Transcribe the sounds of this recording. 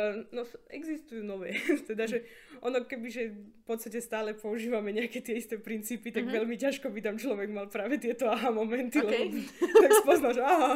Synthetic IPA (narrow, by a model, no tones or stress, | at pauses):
nɔsɛɡzist̪ujuːnɔʋɛːt̪ɛd̪aʒɛ | ʔɔnɔkɛbiʒɛfpɔt̪st̪acɛst̪aːlɛpɔuʒiːʋamɛɲɛakɛːt̪ɪɛist̪ɛːpɾint͡siːpit̪aɡʋɛlmicaʃkɔbit̪amt͡ʃlɔʋɛɡmalpɾaːʋɛt̪ɪɛt̪ɔaɦamɔmɛnt̪ilɛbɔt̪akspɔznalʒaɦa